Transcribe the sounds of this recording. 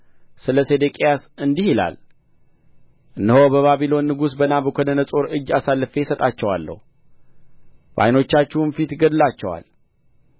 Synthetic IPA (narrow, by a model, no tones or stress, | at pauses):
sɨləsed̪ekʼijasɨnd̪ihila̰l | ʔɨnːəho̞bəβaβilo̞nːɨɡusbənabəkʷʰonənəsʼo̞ɾɨd͡ʒːasalːɨfe̞sət̪ʼat͡ʃːɛwalːə̰hu | ba̰jno̞t͡ʃːat͡ʃːɪhunfit̪ɡəd̪lat͡ʃːɛwa̰l